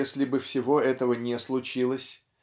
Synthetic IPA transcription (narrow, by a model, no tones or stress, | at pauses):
esʲlʲɪbɨfsʲɪvo̞ɛt̪əvənʲeslˠʊt͡ɕilˠəsʲ